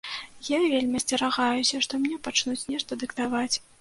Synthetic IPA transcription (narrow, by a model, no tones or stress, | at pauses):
javʲelʲmʲiɐsʲt͡sʲɛɾaɣajusʲɐʂt̪ɔmʲnʲɛpat͡ʂnut͡sʲnʲɛʂt̪ɐd̪ɨkt̪avat͡sʲ